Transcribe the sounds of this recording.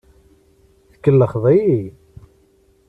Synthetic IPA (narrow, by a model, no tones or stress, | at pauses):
θəkːəlːəχðˤiji